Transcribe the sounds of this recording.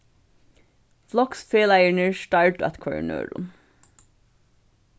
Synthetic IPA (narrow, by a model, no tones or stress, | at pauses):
flɔksfeːlæɪəɳəɹʃʈɑɹʈʊæt̪kʰʊʋə̰ɳø̰ːɾʊ̰m